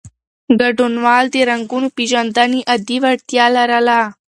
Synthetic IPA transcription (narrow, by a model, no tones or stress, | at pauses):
ɡɐɖonʋaːld̪eɾɐŋɡunupid͡ʒɐnd̪aniʔɐd̪iʋɐɽt̪jaːlaɾalaː